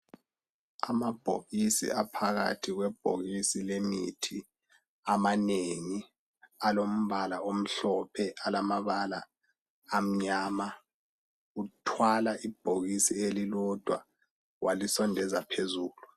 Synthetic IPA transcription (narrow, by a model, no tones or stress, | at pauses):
a̰mab̥ʱo̰ɣisḭapʰaɣa̰tʰiɣwɛb̥̚ʱo̰ɣisilemḭtʰi | amaneŋi | alom̩βalaom̩ɬɔpʰɛʔalamaβala̰ː | m̩ɲaːma | utʰwalaʔib̥ʱoɣisielilɔd̥ʱwa̰ | wʔalisɔndʱɛzapʰezuːlu